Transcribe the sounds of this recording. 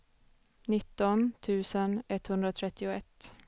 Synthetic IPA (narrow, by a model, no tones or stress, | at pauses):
nɪt̪ːɔnt̪ʰʉ̟ːsənɛt̪ːhɵnd̪ɾat̪ʰɾɛt̪ːɪʊɛt̪ː